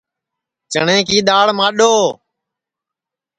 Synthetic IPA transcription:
t͡ʃəɳẽːkiːɗ̪aːɽmãːɗoː

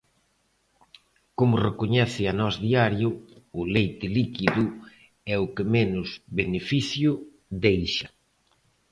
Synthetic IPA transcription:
komʊrekoɲɛθɪanɔzðiaɾjʊʊlejt̪ɪlikiðʊ | ɛʊkɪmenʊzβenefiθjʊ | ðejʃɐ

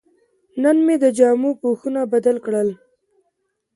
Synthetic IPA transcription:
nənmed̪əd͡ʒɑmupoxunabad̪alkɽəl

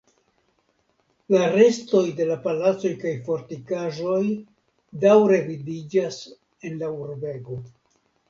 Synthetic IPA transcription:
laɾe̞sto̞jde̞lapalat͡so̞jkajfo̞ɾtikaʒo̞j | dawɾe̞vidid͡ʒas | e̞nlauɾbe̞ɡo̞

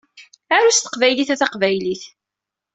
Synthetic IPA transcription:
æɾæst̪ə̥qvæjliθæθɑqvæjliθ

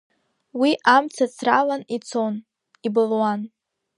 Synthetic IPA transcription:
wiʔamt͡sʰat͡sʰralanit͡sʰo̞n | ibɨlwan

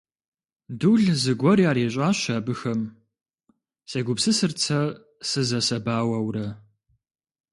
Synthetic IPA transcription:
dɨɮzɨɡʷɔrjaːɾeːɕ̬ʼaːɕaːbɨxɐm | sɐɡʷʊpsɨsɨrt͡sʰɐ | sɨzɐsɐbaːwɐwrɐ

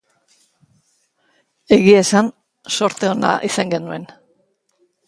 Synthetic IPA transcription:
e̞ɣiesan | so̞ɾt̪e̞o̞na̰ʔisaŋɡe̞nue̞n

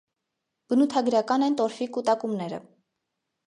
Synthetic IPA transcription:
b̥ənut̪ʰɑɡɾɑkɑnɛjnt̪ɔɾfikut̪ɑkumnɛɾə̰

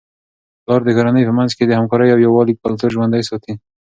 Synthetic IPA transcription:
lɑɾd̪əɡaɾanəjpəmanzked̪əhamkɑɾəjawjawɑlik̚alat̪əɾʒwand̪ajsɑt̪i

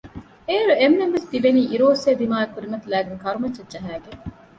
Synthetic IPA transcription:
eːɾuemːemʋesd̪iʋeniːʔiɾoːseːd̪imaːekːuɾimɐt̪ulæːɡeŋkɐɾumɐt͡ʃːɐdd͡ʒɐɦæːɡe

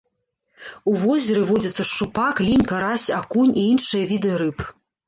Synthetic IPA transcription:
uvɔzʲɛɾɨvɔd͡zʲɐt̪sːɐʂt͡ʂupaklʲinʲkaɾasʲakunʲiinʂɨjɐvʲid̪ɨɾɨp

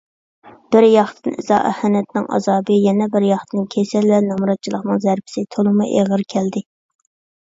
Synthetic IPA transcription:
b̥ɪɾjɑχt̪ʰɨnḭzɑ̰ːʔɛ̰hɛnɛt̪nɪŋʔɑ̰zɑːbɨjɛnɛbɪɾjɑχt̪ʰɨnkʲʰesɛlwɛnɑmɾɑt̪̚t͡ʃʰilˠəqnɨŋzæɾpʰɪ̥sɪt̪ʰolˠɨmɨʔeʁəɾkʲʰɛld̪ɪ

